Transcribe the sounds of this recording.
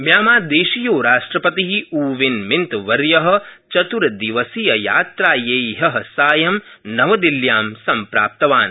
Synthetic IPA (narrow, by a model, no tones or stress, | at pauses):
mjaːmaːd̪eːʃijoːɾaːʂʈɾɐpɐt̪iɦiuːʋinmint̪ʋɐɾjɐɦɐ̆ | t͡ʃɐt̪uɾɐd̪iʋɐsijɐja̰ːt̪ɾaːjeːɦɐɦɐsaːjɐmnɐʋɐd̪iljaːmsɐmpɾa̰ːp̚t̪ɐʋaːn